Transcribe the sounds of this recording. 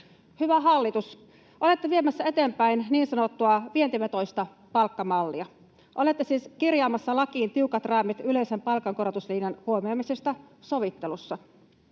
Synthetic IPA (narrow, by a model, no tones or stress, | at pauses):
hyʋæɦɑlːit̪us | ʔole̞t̪ːeʋiemæsːæe̞t̪empæinniːnsɑnot̪ːuɑʋient̪iʋet̪o̞ist̪ɑ | pɑlkːɑmɑlːiɑ | ʔole̞t̪ːesiːskirjɑːmɑsːɑlɑkiːnt̪iukɑt̪rɑːmit̪yle̞isempɑlkɑŋkoɾot̪usliːnjɑnhuomiɑmisest̪ɑ | so̞ʋit̪ːelusːɑ